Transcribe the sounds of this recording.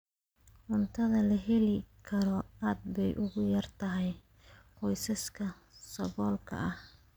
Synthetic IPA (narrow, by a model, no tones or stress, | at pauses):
ʔʊnt̪ʰɐðɐlɐɦɛlɪkʰɐɾɔaːd̪̚bɛjʔʊɣʊjɐrt̪ʰɐɦɛj | qɔjsɐskʰɐ | sɐβɔːlkʰɐ̰ʔɐh